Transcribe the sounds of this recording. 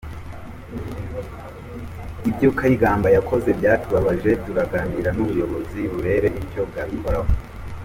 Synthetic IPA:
ibɟukʰaiɡaːmbajakʰo̞ze̞bɟaːtuβaβaʒe̞b̚ɟuɾaɡaniɾanuβujo̞βo̞ziβuɾe̞ɾe̞ʔibɟo̞b̚ɡaːβikʰoɾaho

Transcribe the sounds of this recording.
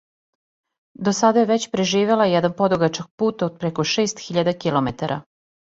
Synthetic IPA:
d̪osad̪ajeʋet͡ɕpɾeʒiːʋe̞lˠajɛd̪anpo̞d̪oɡat͡ʃak̚puːt̪od̪̚pɾeko̞ʃe̞ːst̪xiʎad̪akilˠo̞met̪aɾʔa

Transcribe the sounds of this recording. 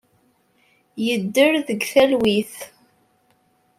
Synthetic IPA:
jəd̪ːəɾðəɡθælwiθ

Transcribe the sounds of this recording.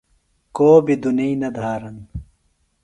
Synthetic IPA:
koːbid̪unijnɐd̪ʱaːɾɐn

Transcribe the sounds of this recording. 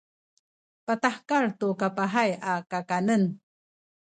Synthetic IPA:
pataħkaɹtukapaɦajakakanən

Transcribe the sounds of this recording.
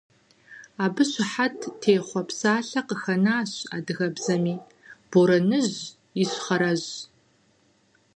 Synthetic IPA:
aːbɨɕɪħatʰtʰːeːχʷɔpsaːɬɐqəxɐnaːɕa̰ːdɨɣɐbzɐmiː | b̥oɾɐnɨʑ | ɪɕχɐɾɐʑ

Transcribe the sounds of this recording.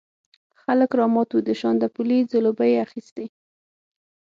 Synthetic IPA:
xaləkɾɑmɑt̪wud̪əʃɑnd̪əpulid͡zəlobəjeaxist̪e

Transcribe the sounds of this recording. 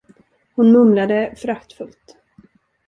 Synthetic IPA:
hʊnmɵmlad̪əfɾakt̪fɵlt̪

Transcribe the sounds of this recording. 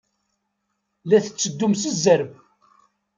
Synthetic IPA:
læθə̥t͡sːəd̪ːumsəzːəɾb

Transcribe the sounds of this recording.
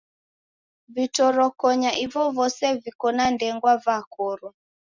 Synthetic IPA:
vitɔɾɔkɔɲaʔivɔvɔsɛvikɔnandɛŋɡwavakɔɾɔ

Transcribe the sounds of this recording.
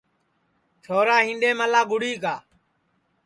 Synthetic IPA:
t͡ʃʰoːɾaːɦĩːnɖeːməlaːɡʊɽiːkaː

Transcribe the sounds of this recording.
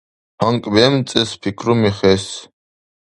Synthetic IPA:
haŋkʼbɛmt͡sʼɛspʰikʰɾumiχɛs

